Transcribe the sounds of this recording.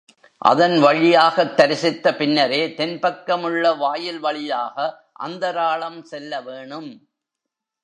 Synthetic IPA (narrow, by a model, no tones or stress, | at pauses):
ʔɐ̰ðɐnʋɐɻɪjaːɣɐt̪ːɐɾɪsɪt̪ːɐpɪnːɐɾeːt̪ɛnpɐkːɐmɯɭːɐʋaːjɪlʋɐɭɪjaːɣɐ | ʔɐ̰nd̪ɐɾaːɭɐmsɛlːɐʋeːɳɯm